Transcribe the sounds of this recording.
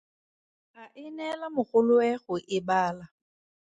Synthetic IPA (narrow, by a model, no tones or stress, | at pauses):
aʔɪnɛlamʊk͡xʊlʊɛχʊʔɪbaːla